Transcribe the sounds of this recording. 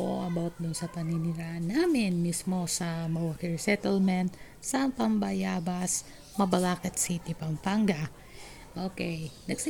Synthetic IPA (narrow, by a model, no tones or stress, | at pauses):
ʔoʔɐbawt̪̚d̪ʊnsɐpɐnɪnɪɾaʔɐnːamɪnmismo̞sɐmɐwɐkɛɹsɛt̪ɛlmɛnt̪ | sɐmpɐmbɐjaːbɐs | mɐbɐlaːkɛt̪sit̪ipɐmpaŋɡa | ʔokɛjnɐɡ̚sɪ